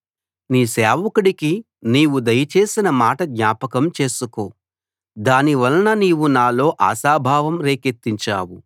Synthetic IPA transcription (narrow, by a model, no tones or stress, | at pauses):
niːsɛːʋɐkuɽiki | niːwud̪ɐjɐt͡ʃe̞ːsinɐmaːʈɐd̪ɲaːpɐkɐmt͡ʃe̞ːsuko̞ː | d̪aːniʋɐlnɐniːwunaːlo̞ːʔa̰ːsaːbʱaːʋɐmɾe̞ːket̪ːiɲt͡ʃa̰ːwu